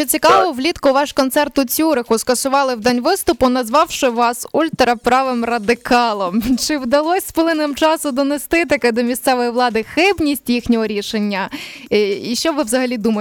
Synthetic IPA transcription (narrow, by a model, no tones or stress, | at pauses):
t͡ʃɔt͡sʲikɑʋɔʋlʲit̪kʊʋɑʃkɔnt̪sɛrt̪ʊt͡sʲuɾɪxʊskɐsʊʋɑlˠɪwd̪ɑnʲʋɪst̪ʊpʊnɐzʋɑwʃɪʋɑsulʲt̪ɾɐpɾɑʋɪmrɐd̪ɪkɑlˠɔmt͡ʃɪwd̪ɐlˠɔsʲsplˠɪnemt͡ʃɑsʊd̪ɔnest̪ɪt̪ɐkɛd̪ɔmʲist̪sɛʋɔjiʋlˠɑd̪ɪxɪbnʲisʲtʲjixnʲɔɦɔɾʲiʃenʲːɐ | iʃt͡ʃɔʋɪʋzɐɦɐlʲid̪umɐ